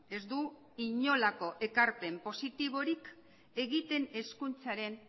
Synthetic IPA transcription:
e̞zd̪u | iɲo̞lako̞ʔe̞kaɾpe̞mpo̞sit̪iβ̞o̞ɾik | e̞ɣit̪e̞ne̞skunt͡saɾe̞n

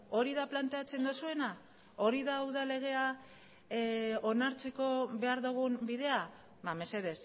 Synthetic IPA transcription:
o̞ɾiðaplant̪e̞at͡se̞nd̪osue̞na | o̞ɾiðawðale̞ɣ̞e̞a | o̞naɾt͡se̞ko̞βe̞aɾðuɣ̞umbiðe̞a | bame̞se̞ðe̞s

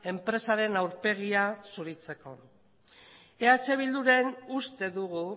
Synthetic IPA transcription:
e̞mpɾe̞saɾe̞nawɾpe̞ɣ̞iasuɾit͡se̞ko̞ | e̞at͡se̞β̞ild̪uɾe̞nust̪e̞ðuɣu

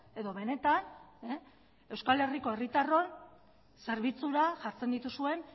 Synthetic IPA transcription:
e̞ðo̞βe̞ne̞t̪ane | e̞wskale̞riko̞e̞rit̪aro̞n | se̞ɾβit͡suɾaʝaɾt͡se̞nd̪it̪usue̞n

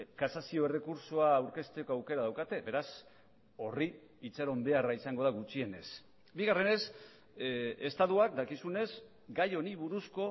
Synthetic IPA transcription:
kasasio̞e̞re̞kuɾsoaːwɾke̞st̪ekoawke̞ɾaðawkat̪e̞be̞ɾas | o̞ri | it͡saɾo̞mbe̞araisaŋɡo̞ðaɣut͡ʃie̞ne̞s | biɣare̞ne̞s | e̞st̪aðuak̚d̪akisune̞z | ɡajo̞niβ̞uɾusko̞

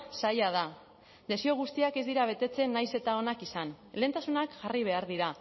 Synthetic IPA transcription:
sajaða | d̪e̞sio̞ɣ̞ust̪iake̞zd̪iɾaβ̞e̞t̪e̞t͡se̞nːajse̞t̪ao̞nakisan | le̞ːnt̪asunakʝariβ̞e̞aɾðiɾa

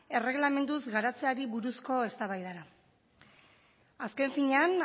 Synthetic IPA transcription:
e̞re̞ɣlame̞nd̪uzɡaɾat͡seaɾiβuɾusko̞e̞st̪aβajðaɾa | aske̞ɱfiɲe̞an

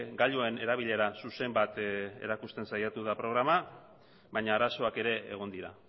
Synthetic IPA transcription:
ɡaʎue̞ne̞ɾaβ̞iʎe̞ɾasuse̞mbat̪e̞̰ɾakust̪e̞nsajat̪uðapɾo̞ɣ̞ɾama | βajɲaːɾaso̞ake̞ɾe̞ḛɣ̞o̞nd̪iɾa̰

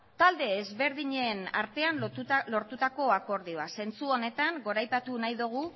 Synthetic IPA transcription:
t̪ald̪e̞ːzβe̞ɾðiɲe̞na̰ɾt̪e̞anuloɾt̪ut̪ako̞ako̞ɾðioase̞nt͡suo̞ne̞t̪aŋɡo̞ɾajpat̪unajðuɣ̞u

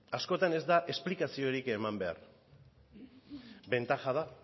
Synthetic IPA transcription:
asko̞t̪ane̞zd̪aʔe̞splikasio̞ɾike̞mambe̞a̰ɾ | be̞nt̪axað̞a

